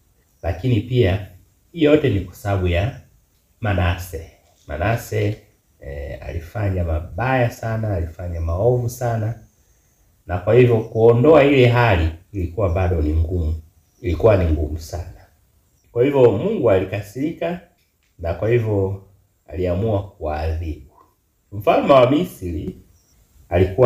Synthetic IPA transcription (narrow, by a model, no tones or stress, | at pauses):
lakinipia | ijɔtɛnikwḁsaaɓuja | manasɛ | ma̰nasɛ | a̰lifaɲamaɓajasanaːlifaɲamaɔvusana | nakwahivɔkuɔndɔailɛɦaliilikuwabaɗɔniŋɡumu | ilikuwaniŋɡumusana | kwahivɔmuŋɡualikasilika | nakwahivɔ | a̰liamuakuwaðibu | m̩falumawamisilḭ | aliku